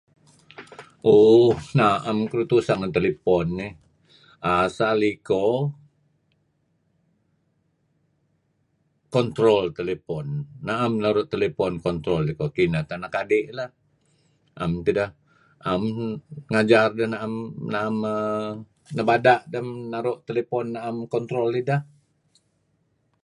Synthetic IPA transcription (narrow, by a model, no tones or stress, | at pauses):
ʔohnaʔamkəɾut̪usanant̪elepɔnːɪ | asaliko | kɔnt̪ɾɔlt̪elepɔnːaʔamnaɾʊt̪ːelepɔnkɔnt̪ɾɔlikokinat̪anakadeʔlah | ʔa̰mt̪idah | amŋad͡ʒardəhnaʔamnaːmə | nəbadaʔdəmnaɾoʔt̪elepɔnːaːmkɔnt̪ɾoltidah